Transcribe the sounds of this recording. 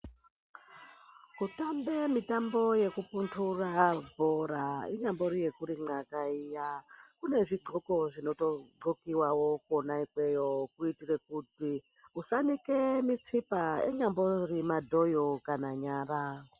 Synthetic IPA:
kutambemitambo̞je̞kupuntʰurabʱoɾaḭɲambo̞ɾijekuɾiŋ͡ǃakaijakune̞ʐiɡ͡ǃʱoko̞ʐino̞toɡ͡ǃokiwawokuonaikwejokuitirekuti | usanikemit͡sipaḛɲamborimadʱojokanaɲaːɾa

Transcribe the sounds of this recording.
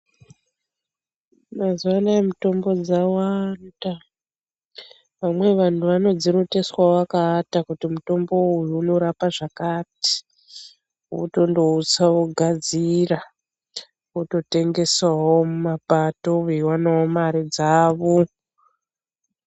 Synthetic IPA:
mazuwanaemuto̞mbo̞d͡zawanda | ʋamwe̞ʋantʰuʋano̞d͡ziɾoteswaoʋakaːtakutimuto̞mbo̞ujuːno̞ɾapaʐakati̥ | ṵto̞ndo̞ut͡sawoɡʱad͡zira | uto̞te̞ŋɡe̞swawo̞mumapato̞uiwanawomaɾid͡zaːʋo

